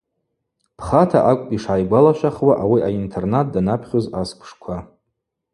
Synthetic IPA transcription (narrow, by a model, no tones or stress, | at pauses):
pʰχatʰaʔakʷʼpʼiʂajɡʷalaʃʷᶣaχwaʔawiʔaintʰe̞rnat̚ʰdanapʰχʲozaskʷʰʂkʷʰa